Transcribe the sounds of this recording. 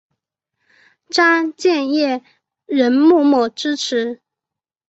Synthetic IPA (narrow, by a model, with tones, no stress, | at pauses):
ʈ͡ʂa˥t͡ɕjɛ˥˧njɛ˥˩ | ɻə˧˥nmu˥˩mɔ˨˩ʈ͡ʂɻ̩˥ʈ͡ʂʰɻ̩˧˥